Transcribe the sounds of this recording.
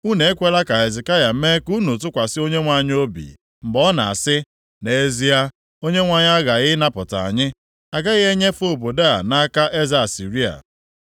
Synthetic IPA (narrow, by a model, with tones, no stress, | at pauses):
u˦ne˨e˦kʷe˦la˦ka˨e˨zɪ˨ka˦ja˨˦me˦ku˦nu˨tʊ˦kʷa˨sɪ˦o˦ɲe˦ŋʷa˦˨ɲ˦o˦bḭ˨ | m̩˨bɔ˦na̰˨a̰˨sɪ˦ | ne˨˦zi˦a˦ | o˦ɲe˦ŋʷa˦ɲ˦a˦ɣa˨ɣɪ˦na˦pʊ˨ta̰˨a̰˨ɲɪ˦ | a˨ɡa˦ɣɪ˦e˦ɲe˦fo˦˨bo˨da˦a˨na˦ka˦ʔe˦za˨a˨si˨ɾi˦a̰˨